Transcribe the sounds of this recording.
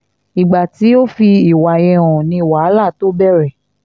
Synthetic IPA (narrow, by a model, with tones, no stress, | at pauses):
i˨ɡ͡ba˨ti˨˦o˦fi˧i˦˨wa˨jɛ˧wɔ̃˨nĩ˧i˨wa˨a˦la˦˨to˨˦bɛ˦˨ɾɛ˨